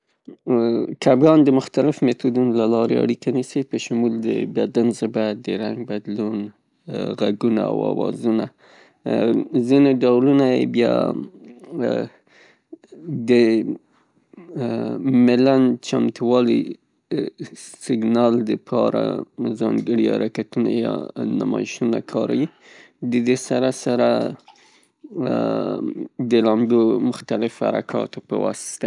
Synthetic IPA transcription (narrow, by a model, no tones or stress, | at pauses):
kabɡɑnd̪əmʊxt̪alɪfmet̪ud̪unlalɑɾea̰ɽikanisipəʃʊmuld̪ə̰bad̪anzɪbad̪əɾaŋɡ̚bad̪lun | ɣaɡuna̰a̰wɑ̰wɑ̰zuna̰ | zineɖawlunajḛbjɑ̰ | d̪ə | mɪlant͡ʃamt̪uwɑlḭ | sɪɡnɑld̪əpʰɑɾa̰zɑŋɡəɽiha̰ɾakat̪una̰jɑ̰namɑɪʃunakʰɑɾa̰wi | d̪əd̪esaɾasaɾa | d̪əlɑmbomʊxt̪alɪfha̰ɾa̰kʰɑ̰t̪opəwɑ̰st̪a